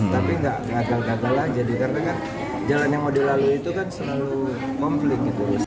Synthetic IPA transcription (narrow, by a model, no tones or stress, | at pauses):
t̪apiŋɡaʔŋakalɡat̪alahd͡ʒadikarənakan | d͡ʒalanjaŋmodɛlaluit̪ukansəlalu | kɔmflɪk̪̚ɡit̪us